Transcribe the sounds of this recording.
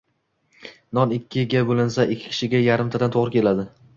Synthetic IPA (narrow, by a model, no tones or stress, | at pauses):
nɒnɪkʲʰːɪɡʲabolɪnsaʔɪkʲʰːɪ̥kʲʰɪ̥ʃɪɡʲajaɾɪmt̪ʰad̪ant̪ʰoʁɾɪkʲʰe̞lad̪ɪ